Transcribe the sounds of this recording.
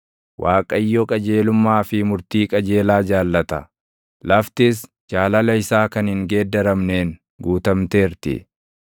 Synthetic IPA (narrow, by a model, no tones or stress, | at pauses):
wʔaːkʼɐjːɔkʼɐd͡ʒeːlʊmːaːfɪmʊɾt̪iːkʼɐd͡ʒe̞ːlaːd͡ʒaːlːɐt̪ɐ̰ | lɐft̪ɪs̬ | d͡ʒaːlɐlɐɪsaːkɐnhɪŋɡe̞ːd̪ːɐɾɐmne̞ːŋ | ɡuːt̪ɐmt̪eːɾt̪ɪ̰